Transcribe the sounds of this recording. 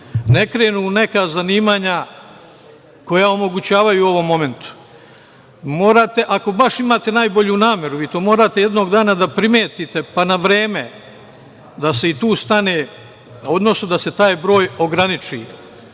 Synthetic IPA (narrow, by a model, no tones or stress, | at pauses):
ne̞kɾeːnune̞kazaniːmaːɲa | ko̞jao̞mo̞ɡut͡ɕaːʋajuo̞ʋo̞mːo̞me̞nt̪u̥ | mo̞ːɾat̪e̞ʔako̞baʂimaːt̪e̞naːjbo̞ʎunaːmje̞ɾuʋiːt̪o̞ːmo̞ːɾat̪e̞jed̪no̞ːɡd̪aːnad̪apɾimeːt̪it̪e̞panaʋɾe̞ːme | d̪ase̞it̪uːst̪aneː | o̞d̪no̞sud̪ase̞t̪aːjbɾo̞ːjo̞ɡɾanit͡ʃḭ